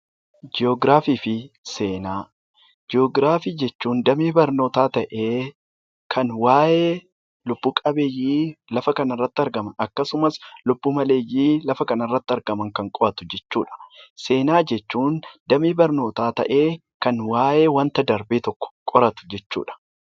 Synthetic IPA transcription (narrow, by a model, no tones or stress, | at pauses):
d͡ʒɪoɡɾaːfiːfɪseːnaː | d͡ʒɪoɡɾaːfiːd͡ʒɛt͡ʃːuːnd̪ɐmiːbɐɾno̞ːt̪aːt̪ɐʔeː | kʰɐnwaːjʔeː | lʊb̥ːuːkʼɐbeːjːiːlɐfɐkɐnɐrːɐt̪ːɪɐɾɡɐmɐnɐkːɐsʊmɐslʊbːuːmɐle̞ːjːiːlɐfɐkɐnɐrːɐt̪ːɪɐɾɡɐmɐŋkɐŋkʼɔɾɐt̪ʊ̥d͡ʒɛt͡ʃːuːᶑɐ̥se̞ːnaːd͡ʒɛt͡ʃːuːnd̪ɐmiːbɐɾno̞ːt̪aːt̪ɐ̰ʔe̞ː | kɐnwaːjeːwɐnt̪ɐd̪ɐɾbeːt̪ɔkːɔ̥kʼɔɾɐt̪ʊ̥d͡ʒɛt͡ʃːṵːᶑɐ̥